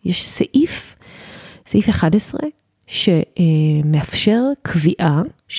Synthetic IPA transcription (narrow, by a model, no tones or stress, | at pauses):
jeʃsaʔif | saʔifeχadesʁe | ʃemeafʃeʁkʰviʔaʃ